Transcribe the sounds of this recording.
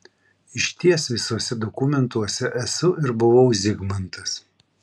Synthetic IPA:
ɪʃʲt̪ʲiɛsʋʲɪsuɔsʲɛd̪ɔkʊmʲɛnt̪uɔsʲɛʔɛsʊʔɪɾbʊʋɐʊzʲɪɡmɐnt̪ɐs

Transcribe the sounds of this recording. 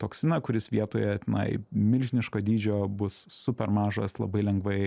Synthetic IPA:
t̪oːksʲɪnɐkʊɾʲɪsʋʲiɛt̪oːjɛt̪ʲɪnɐ̰ɪmʲɪlʲʒʲɪnʲɪʃkoːd̪ʲiːd͡ʒʲoːbʊsːʊpʲɛɾmɑːʒɐ̰slˠɐ̰bɐɪlʲɛŋɡʋɐɪ

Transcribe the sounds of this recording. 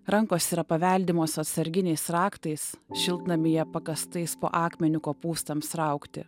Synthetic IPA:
ɾɐŋkoːsiːɾɐpɐʋʲɛlʲd̪ʲɪmoːsɐt̪sɐɾʲɡʲɪnʲɛɪsɾɑːkt̪ɐɪsʃʲɪlˠt̪nɐmʲɪjɛpɐkɐst̪ɐɪspo̰ːʔɑːkmʲɛnʲʊkoːpuːst̪ɐmsɾɐʊkt̪ʲɪ̰

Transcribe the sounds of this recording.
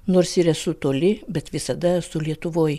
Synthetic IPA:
noːɾsiːɾɛsʊt̪oːlʲɪbʲɛt̪ʋʲɪsɐd̪ɐɛsʊlʲiɛt̪ʊʋoːj

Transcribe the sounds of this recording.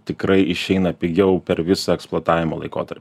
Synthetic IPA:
t̪ʲɪkɾɐɪʔɪʃʲɛɪnɐpʲɪɡʲɛʊpʲɛɾʋʲɪsɐɛksplˠoːt̪ɑːʋʲɪmoːlˠɐ̰ɪko̰ːt̪ɐɾʲpʲ

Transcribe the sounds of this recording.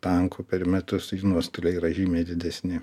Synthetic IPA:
t̪ɐŋkʰuːpʲɛɾmʲɛt̪ʊsinuɔst̪olʲɛiːɾɐʒʲiːmʲeːd̪ʲɪd̪ʲɛsʲnʲɪ

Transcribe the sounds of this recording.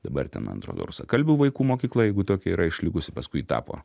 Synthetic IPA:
d̪̥ɐbɐrt̪ʲɛ̰nmɐ̰n̰t̪ɾo̰ːd̪o̰ːɾʊsɐkɐlʲbʲɛʊʋɐɪkuːmoːkʲiːklˠɐjɛɪɡʊt̪oːkʲɛiːɾʔɐɪʃʲlʲɪɡʊsʲɪpɐskʊɪt̪ɑ̰ːpo̰ː

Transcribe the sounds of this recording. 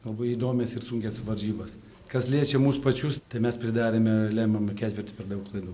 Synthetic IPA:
ɡɐlˠboːjiːd̪oːmʲɛsɪrsuŋʲkʲɛsʋɐɾʲʒʲiːbɐs | kɐslʲiɛt͡ʃʲɛmuːspɐt͡ʃʲʊst̪ɐɪmʲɛspʲɾʲɪd̪ɑːɾʲeːmʲɛlʲæːmɐmkʲæːt̪ʲʋʲɪɾʲrt̪ʲʊ̥pʲɛɾd̪ɐʊklˠɐɪd̪uː

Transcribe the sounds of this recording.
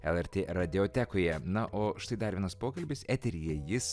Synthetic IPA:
ɛlˠɛɾʲt̪ʲeːɾɐd̪ʲɪoːt̪ʲækoːjɛnɐʔoːʃt̪ɐɪd̪ɐɾʲiɛnɐspoːkɐlʲbʲɪsæːt̪ʲɛɾʲijɛjɪs

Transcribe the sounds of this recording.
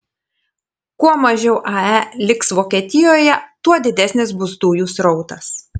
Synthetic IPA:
kuɔmɐʒʲɛʊʔɐælʲɪksʋoːkʲiɛt̪ʲɪjoːjɛt̪uɔd̪ʲɪd̪ʲɛsʲnʲɪsbʊsd̪uːjuːsɾɔʊt̪ɐs

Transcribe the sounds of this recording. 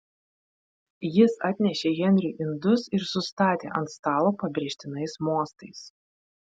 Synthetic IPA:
jɪsɑːt̪ʲnʲɛʃʲeːɣʲɛnʲɾʲʊˑʔɪnd̪ʊsɪɾsʊst̪ɑːt̪ʲḛːʔɐnt̪st̪ɑːlˠoːpɐbʲɾʲeːʃʲt̪ʲɪnɐɪsmuɔst̪ɐɪs

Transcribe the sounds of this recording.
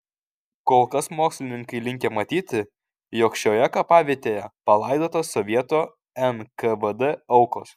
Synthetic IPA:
koːlˠkɐsmoːksʲlʲɪnʲɪŋkɐɪlʲɪŋʲkʲeːmɐt̪ʲiːt̪ʲɪ | jɔːkʃʲoːjɛkɐpɑːʋʲiɛt̪ʲeːjɛpɐlˠɐɪd̪oːt̪oːsɔʋʲiɛt̪oː | ɛnkɐʋəd̪ɛɐʊkoːs

